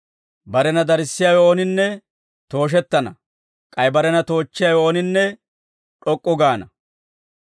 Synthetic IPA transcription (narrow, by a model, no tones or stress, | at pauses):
bɐɾɛnɐd̪ɐɾɪsːɪjawɔːnɪnːɛ | t̪o̞ːʃ̬ɛt̪ːɐnɐ̰ | kʼɐjbɐɾɛnɐt̪o̞ːt͡ʃːɪjawɔɔnɪnːɛ | ᶑɔkʼːɔɡaːnɐ